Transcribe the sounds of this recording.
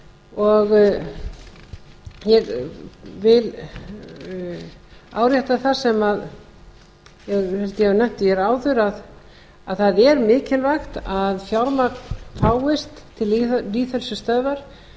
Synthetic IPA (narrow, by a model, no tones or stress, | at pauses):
ɔɣ | jɛɣ | vɪl | a̰ːwɾjɛht̪aθasɛmað | jɛɣhɛlt̪ɪjɛnɛm̥t̪ɪjɛɾaːwðʏɾað | aðθaðɛɾmɪːcɪlvaxt̪aðfjawɾmaknfaːwɪst̪ʰːɪliœliːθhœlsʏst̪œːvaɾ̥